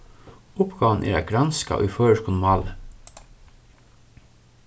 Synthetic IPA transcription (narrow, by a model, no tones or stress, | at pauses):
ʊpɡ̥ɑːʋn̩ʔḛːɾæ̰ːɡɾɑnskɑ̰ʔo̰iːføːəʃkʰʊnmɑːlə